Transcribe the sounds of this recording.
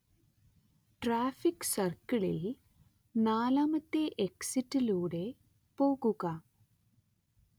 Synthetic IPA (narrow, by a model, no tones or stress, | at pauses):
ʈɾaːfiksɐrkiɭḛ | naːlaːmɐt̪ːeʔeksiʈːiluːɽe | poːɡuɣa